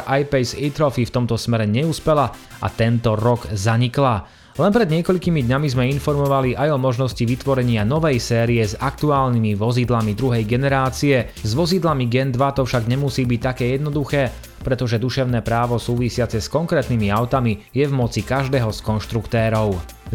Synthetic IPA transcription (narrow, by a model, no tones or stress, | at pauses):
ʔajpɛsit̪ɾɔfift̪ɔmt̪ɔsmɛɾɛɲɛuːspɛla | a̰t̪ɛnt̪ɔɾɔɡzaɲikla | lɛnpɾɛd̪ɲɪɛkɔʎkimid̪ɲamizmɛinfɔɾmɔʋaliʔajɔmɔʒnɔsciʋit̪ʋɔɾɛɲɪanɔʋɛjsɛːɾiɛzakt̪uaːlnimiʋɔzid̪lamid̪ɾuɦɛjɡɛnɛɾaːt͡siɛ | zʋɔzid̪lamiɡɛnd̪ʋat̪ɔfʃaɡɲɛmusiːbic̚t̪akɛːjɛd̪nɔd̪uxɛː | pɾɛt̪ɔʒɛd̪uʃɛʊnɛːpɾaːʋɔsuːʋisɪat͡sɛskɔŋkɾɛːt̪nimiaʊt̪amijɛvmɔt͡sikaʒd̪ɛːɦɔskɔnʃt̪ɾukt̪ɛːɾɔʊ